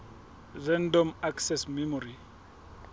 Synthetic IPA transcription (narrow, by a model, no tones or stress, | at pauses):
rɛndɔmaksɛsmɛmoɾi